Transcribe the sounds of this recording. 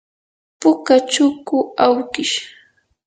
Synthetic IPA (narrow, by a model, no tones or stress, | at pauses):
pʊkat͡ʃʊkʊawkɪʃ